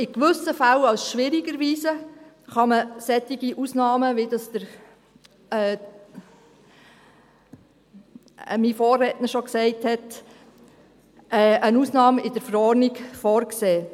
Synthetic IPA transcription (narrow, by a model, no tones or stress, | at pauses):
ɪkʋʏsəfalɑwsʃʋɪɾiɡəɾʋiːzə | χɑməsɛt̪ːiɡiʔusnɑːməʋidɑsd̥əɾ | ɛː | mifoːrɛːtnəʃɔksɛɪthɛt | ɛənuːsnɑːmɪd̥əɾfəɾɔɾnikfɔːɾkseː